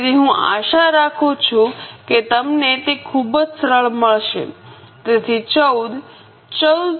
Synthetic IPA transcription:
ɾiɦũʔa̰ʃaɾakʰut͡ʃʰũket̪əmnet̪ekʰubd͡ʒsəɾəɭməɭʃḛ | t̪et̪ʰit͡ʃəwd̪ | t͡ʃəw̪

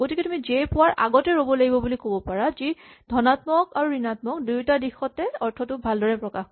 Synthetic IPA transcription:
ɡotikɛtumizɛjpʊwaɹʔa̰ɡɔtɛɹobɔlaɡibɔbulikobɔpaɹazidʱɔnatmɔkaɹuɹinatmɔk̚dujutadixɔtɛɔɹtʰɔtʊbʱaldɔɹɛpɹɔkax

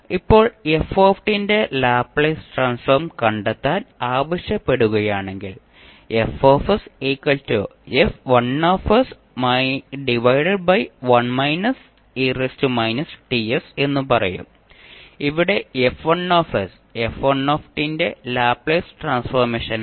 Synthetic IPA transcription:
ipːo̞ːɭefoːfʈinde̞laːpɭeːsʈraːnsfɐrmkɐɳɖet̪ːaːnaːʋɐɕjɐpːe̞ɽuɣɐjaːɳe̞ŋɡil | efoːfɐseːkːɐltuefʋɐnːoːfɐs | mɐɖiʋɐjɽeɖ̚bɐjʋɐnmɐjnɐs | eːrestumɐjnɐsʈiese̞nːupɐrɐjṵm | iʋiɽe̞efʋɐnoːfɐs | efʋɐnːoːfʈinde̞laːpɭeːsʈraːnsfɐrmeːʂɐn

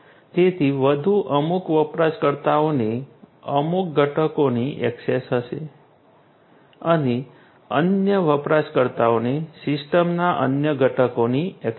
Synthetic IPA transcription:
d͡ʒet̪ʰiʋəd̪ʱuʔəmukʋəpɾaʃkəɾt̪aoneəmuk̚ɡəʈʰəkoniʔɛ̰ksesɦəʃe | əne | ənjəʋəpɾaʃkəɾt̪aonesɪsʈəmnaʔə̰njəɡəʈʰəkoniɛk

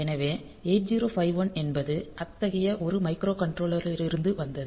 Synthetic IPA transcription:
ɛnɐʋeː | eːʈd͡ʒiːɾoːfɐɪʋɐnɛnbɐðɯʔɐt̪ːɐɣɐjɐʔɔɾɯmɐɪkɾoːkɐɳʈɾoːɭɐɾɪɾɪɾɯnd̪ɯʋɐnd̪ɐðɯ

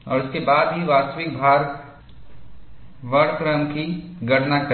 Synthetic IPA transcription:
ɔ̰ːɾʊskebaːd̪ɦiʋaːst̪əʋɪk̚bʱaːɾ | ʋəɽkɾəmki | ɡʱɐʈnakə

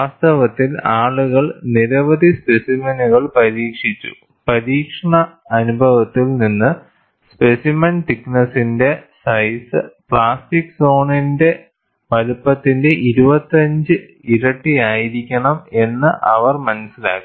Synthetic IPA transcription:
ʋaːst̪ɐʋɐt̪ːilaːɭuɣɐɭniɾɐʋɐd̪ʱispe̞simɐnuɣɐɭpɐɾiːkʂit͡ɕːṵ | pɐɾiːkʂɐɳɐːnubʱɐʋɐt̪ːilninːɨ | spe̞simɐnfiknɐsinde̞sɐjsɨpɭaːstikːso̞ːɳinde̞ | ʋɐlupːɐt̪ːinde̞ʔiɾubɐt̪ːɐɲd͡ʑɨ | iɾɐʈːijaːjiɾikʲːɐɳɐme̞nːɨʔɐ̰ʋɐrmɐnɐsːila̰ːkːi

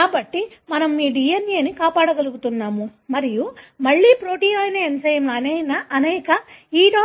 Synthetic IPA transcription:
kaːbɐʈːimɐnɐmːiːɖiːjenjiːɐnikaːpaːɽɐɡɐluɡut̪unːaːmumɐɾijumɐɭːiːpɾo̞ːʈiːoːjnɐensɐjɐmlɐɐnɛːjnɐʔɐnɛːkɐiːɖoː

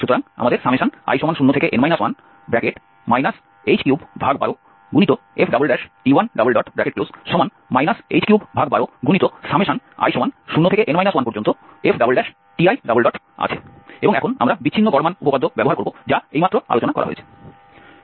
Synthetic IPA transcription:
ʃut̪oɾaŋa̰mad̪eɾʃameʃana̰jʃɔmanʃunːot̪ʰekeʔenmajnaswan | bɾɛkeʈ | majnas | ejd͡ʑkiubbʱaɡ̚ba̰ɾo | ɡunit̪o | efɖabolɖɛʃʈiwanɖabolɖɔʈbɛkeʈ̚plosʃɔman | majnasḛjd͡ʑkiubbʱaɡ̚baɾoɡunit̪oʃameʃana̰jʃɔmanʃunːot̪ʰekeʔenmajnaswanpoɾd͡ʑont̪o | efʰɖabolɖɛʃ | ʈiajɖabolɖɔʈ | a̰t͡ɕʰe | eboŋɛkʰona̰mɾabitt͡ɕʰinːoɡɔɾmanupokad̪ʱːobɛboɦaɾkoɾbod͡ʑaejmat̪ːɾoa̰lot͡ɕonakɔ̰ɾa̰ɦo̰ḛt͡ɕʰe̥

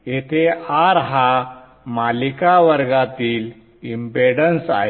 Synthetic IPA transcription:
jet̪ʰeaɾɦa | malikaʋəɾɡat̪iːl | imbeɽənsa̰ɦe

